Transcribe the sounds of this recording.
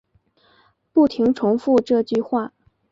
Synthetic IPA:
pu˥˩t̪ʰi˧˥ŋʈ͡ʂʰʊ˧˥ŋfu˥˧ʈ͡ʂɤ˥˧t͡ɕy˥˧xwa˥˩

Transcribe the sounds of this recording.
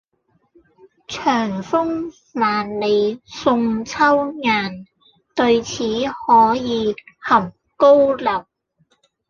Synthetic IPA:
t͡ʃʰœː˨˩ŋfʊ˥ŋ | maː˨nle˨˧jsʊ˧ŋt͡sʰɐ˥wŋaː˨˩n | t̪ɵ˧ɥt͡sʰiː˨˥hɔː˨˥jiː˨˧hɐ˨˩m | ko˥wlɐ˨˩w̚

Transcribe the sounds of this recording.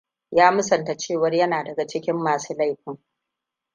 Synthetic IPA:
jaː˦mʊ˦sɐ˨nta˨t͡ʃeː˦˨wɐ˨rjɐ˦naː˨dɐ˨ɡa˨t͡ʃɪ˦kʲɪ˦mːaː˨suː˦la˦jɸɪ˦ŋ

